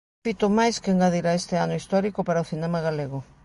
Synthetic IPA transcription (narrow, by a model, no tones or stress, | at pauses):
it̪ʊmajskeŋɡaðiɾaest̪eanʊist̪ɔɾikoʊpaɾaoθinɛmaɣaleɣʊ